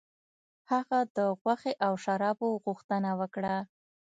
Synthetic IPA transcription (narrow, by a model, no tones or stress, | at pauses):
haɣad̪əɣwaxeʔawʃaɾɑboɣuxt̪ənawəkɽa